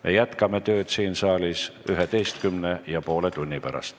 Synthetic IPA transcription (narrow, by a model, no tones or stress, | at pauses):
mʔe̞̰jæt̪kɑme̞t̪ø̞ːt̪siːnsɑːlisyɦet̪e̞jst̪kymne̞jɑpo̞ːle̞t̪unʲːipæɾɑ̰st̪